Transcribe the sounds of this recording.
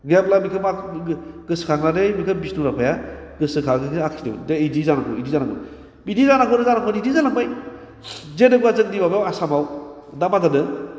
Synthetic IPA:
ɡap̚lamikʰɯma | ɡ̥ɯskʰakʰnademikʰɯbisnuɾapʰaja | ɡɯsɯkʰaɡɯkʰaksʰidḛwdejdizanakʰɔidizanak̚a̰ | bidizanakʰɔɾɯzanakʰɔnidizanak̚baj | zedɯɡuazɯk̚dibabjawasamaw | damadanɯ

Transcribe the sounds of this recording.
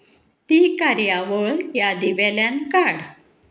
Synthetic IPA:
t̪ikaɾjaʋəɾjad̪iʋɛljankaɽ

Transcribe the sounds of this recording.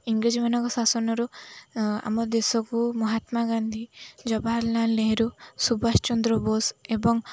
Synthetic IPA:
iŋɡɾid͡ʒimanɔkɔsasɔnɔɾu | a̰mɔɾd̪esɔkumɔɦat̪maɡand̪ʱid͡ʒɔbʱaɾlanleɦɾusubast͡ʃɔnd̪ɾɔbɔsebɔŋ

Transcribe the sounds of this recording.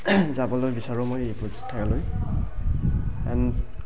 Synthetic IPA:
zabɔlojbisaɹʊmojejpɹozi̥tʰːakaloj | ɛ̰n

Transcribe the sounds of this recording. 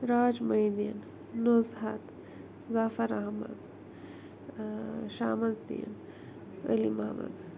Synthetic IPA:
ɾaːd͡ʒmɐjd̪iːn | nozɦɐt̪ | zaːfɐɾɐɦmɐ̰d̪ | ʃaːmɐzd̪ḭːn | ɐ̰limɐɦɐmɐ̰d̪

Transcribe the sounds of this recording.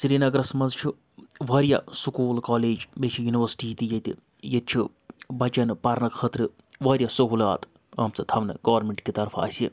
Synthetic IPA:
siɾiːnɐɡɾɐsmɐnzt͡ʃʰi | ʋɐːɾjasukuːlkaːleːd͡ʒmet͡ʃʰijuniʋɐɾsʈiːt̪ijɐt̪i | jɐt̪̚t͡ʃʰi | bɐt͡ʃɐnpɐɾnɐkʰɐt̪ɾɨ | ʋɐːɾjasɐɦuːlaːt̪ | ɐːmt͡sɐt̪ʰɐʋnɨ̰ɡɐʋɐɾmeɳʈkit̪ɐɾfʰɐ̰ːsʲi

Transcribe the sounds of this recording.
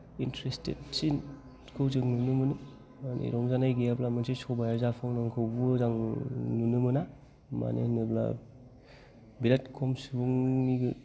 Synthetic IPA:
intɾestḛt̚sin | kʰɯwzɯŋnunɯmɯni | manʔḛɾɔŋzanajɡeablamansesɔbajaɾzapʰɔŋnaŋkʰɯwbuzaŋnunɯmɯna | ma̰nḛnɯbla̰ | bilat̚kʰɔmsɯbuŋniɡɯ

